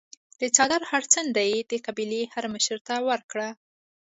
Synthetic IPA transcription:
d̪̥ət͡sɑd̪aɾhaɾt͡sənd̪ajd̪əkabilehaɾməʃəɾt̪awəɾkɽa

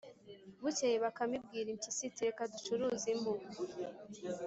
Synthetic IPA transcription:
βucejeβakamib̚ɡiːɾimcisitiɾekadut͡ʃuɾuzimu

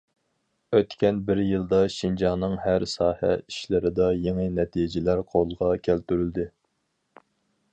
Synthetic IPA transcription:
øt̪kʲʰɛnbɪɾjɨlˠd̪ɑʃind͡ʒɑnɨŋhæɾsɑːhɛ̰iʃlɪɾɪd̪ɑjeŋɨnɛt̪ʰijd͡ʒɪlæɾqʰolˠʁɑkʲʰælt̪yɾyld̪ɪ

